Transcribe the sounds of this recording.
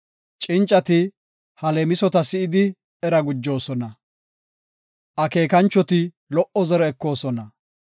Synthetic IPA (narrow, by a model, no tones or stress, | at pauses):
t͡ʃʼɪnt͡ʃʼːɐt̪ɪ | hɐlemɪsɔt̪ɐsɪɪd̪ɪ | ɛɾɐɡʊd͡ʒːo̞ːsɔnɐ | ʔɐke̞ːkɐnt͡ʃːɔt̪ɪ | lɔʔɔzɛɾɔɛkːo̞ːsɔnɐ